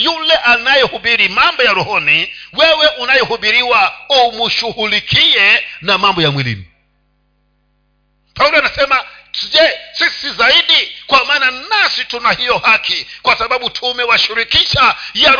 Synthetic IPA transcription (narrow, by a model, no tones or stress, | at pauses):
julɛʔanajɛhuɓiɾimambɔjaɾuhɔniwɛwɛʔunajɔhuɓiɾiwaumuʃuhulikʰiɛnamambɔjamwilḭmu | paulɔanasɛmad͡ʒɛsisizaiɗikwamaːnanasitunahijɔhakʰikwasaɓaɓutʰumɛwaʃiɾikiʃaja